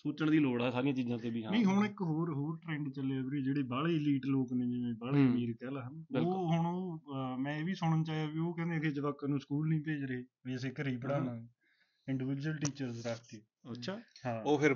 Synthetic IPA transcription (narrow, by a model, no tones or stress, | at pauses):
soːt͡ʃəɳd̪iːloːɽɛːsaːɾɪjãːt͡ʃiːzãːt̪eːbiːɦãnẽĩːɦʊɳ̃ɪkɦoːɾɦoːɾʈɾɛ̃ːɳɖt͡ʃəleːaːbɾiːd͡ʒeːɽeːbaːɭeːliːʈloːknẽːd͡ʒimẽːbaːɭeːmeːɾkɛːlaɦənɪoːɦʊɳoːmɛ̃ːeːʋiːsʊɳənt͡ʃaːiaːbiːoːkɛ̃ːnd̪eːt̪ʰeːd͡ʒəʋaːkːənũːskuːlnĩːpeːd͡ʒɾəɦeːʋiːəs̬eːkəɾiːpəɽaːnã | ɪ̃ɳɖɪʋɪd͡ʒuəlʈiːt͡ʃəɾzɾakʰt̪eː | əʃʰaːɦãːoːpʰɪɾ